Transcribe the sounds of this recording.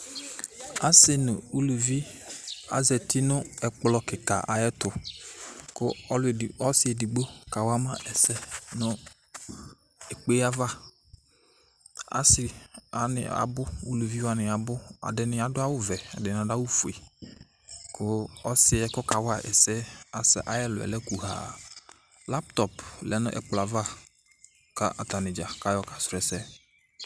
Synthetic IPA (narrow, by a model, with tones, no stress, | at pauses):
a˨sɪ˨nʊ˨u˦lu˨vi˦ | a̰˨zɛ˨tɪ˦nʊ̃˦ɛ˨k͡plɔ˨˦kɪ˨ka˨ʔa̰˨jɛ˦tʊ˨ | kʊ˦ɔ˦lɔ˦sɪ˦ɛ˨di˨ɡ͡bo˦ka˨wa˦mã˦ʔɛ˨sɛ˦nʊ̃˦ | e˨k͡pe˦a˦va˦ | a̰˨sɪ˨a̰˨nɪ̰˨a̰˨bʊ˦wo˦lu˨vi˦wa˨nɪ˨a˨bʊ˦a̰˨dɪ˨nɪ̃˨˦a˨dʊ˦a˦wʊ˦vɛ˨a̰˨dɪ˨n˨a˨da˦wʊ˦fʊ˨e˨ | kʰʊ˦ɔ˦sɪ˦ɛ˦kʊ˦ka˨wa˦˨ʔɛ̰˨sɛ˦a˨sɛ˨ʔa˦jɛ˦lʊ˨ɛ̰˨lɛ˦ku˨ɦa̰ː˨ | la˦pt̪ɔ˨plɛ̰˦nʊ̰̃˦ʔɛ̰˦k͡pla˨va˦ | ka˦ʔa̰˨t̪a˨nɪ˨d͡ʒa˨ka˦jɔ˦kḁ˨sʊ˨ɛ˨sɛ˦